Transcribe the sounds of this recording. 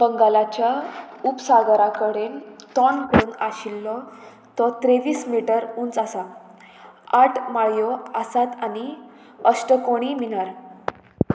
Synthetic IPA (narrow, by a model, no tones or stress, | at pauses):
bəŋɡalat͡ɕjaupsaɡəɾakəɽent̪ɔnkonaɕilːɔ | t̪ɔt̪ɾeʋiːsmiʈəɾunt͡sasa | aʈmaɭjɔasat̪ani | əsʈəkoɽ̃iminaɾ